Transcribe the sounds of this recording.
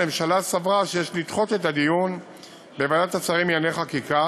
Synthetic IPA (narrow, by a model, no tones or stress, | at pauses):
emʃalasavʁaʃejeʃlit̪χo̞te̞t̬ad̪ijun | bevadat̪at͡saʁimjaneχakika